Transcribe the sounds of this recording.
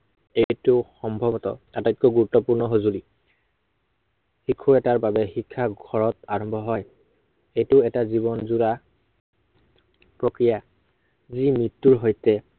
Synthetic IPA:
ejtʊxɔmbʱɔbɔtɔ̰atatkɔɡuɹutːɔpuɹnɔɦozuli | xikʰːuɹɛtaɹbabɛxikʰːaɡʱɔɹɔtaɹɔmbʱɔɦɔj | ejtʊɛtazibɔnzuɹa | pɹokɹija | zimɹitːuɹɦojtɛ

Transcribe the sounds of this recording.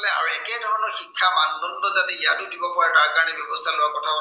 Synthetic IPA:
lɛa̰ɹuɛkɛdʱɔɹɔnɔɹxikʰːamannɔnnɔzatɛijatʊdibɔpɔataɹkaɹɔnɛbjɔbɔstʰalʊwakɔtʰabɔ

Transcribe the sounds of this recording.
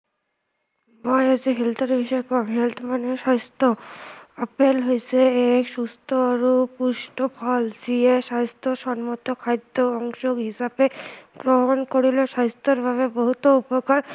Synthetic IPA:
majad͡ʑiɦilt̪ʰeɾbʱiʃɔekɔmɦelt̪ʰmaneʃast̪oapelɦojt͡ɕʰeekʃust̪oaɾupuʃʈopʰɔld͡ʑieʃast̪oʃɔnmot̪okʰajd̪ːoɔŋʃoɡɦisabeɡɾoɦonkoɾiloʃast̪ʰoɾbʱaβeboɦut̪oupokaɾ

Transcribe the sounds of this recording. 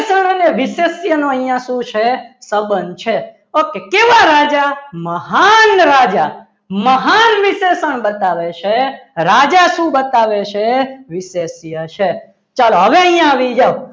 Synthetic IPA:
səɳ̃əneʋisesjənoəijãʃũt͡ʃʰesəbənt͡ʃʰe | okekeʋaɾad͡ʒaməɦanɾad͡ʒa | məɦanʋisesəɳbət̪aʋet͡ʃʰeɾad͡ʒaʃũbət̪aʋet͡ʃʰeʋisesjət͡ʃʰe | t͡ʃaloɦəʋeəĩjãːʋid͡ʒao

